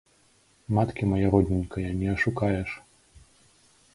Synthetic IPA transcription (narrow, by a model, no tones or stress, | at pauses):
mat̪kʲimɐjaɾɔd̪ʲnʲinʲkɐjɐnʲɛɐʂukajɛʂ